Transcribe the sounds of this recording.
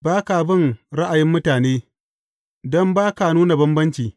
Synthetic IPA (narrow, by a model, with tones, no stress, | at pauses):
baː˦ka˨bɪ˦˨ŋɾa˦ʔa˨jɪ˦mːʊ˦taː˨neː˦ | dɔ˦mbaː˦ka˨nuː˦na˨bɐ˦mbɐ˦nt͡ʃiː˨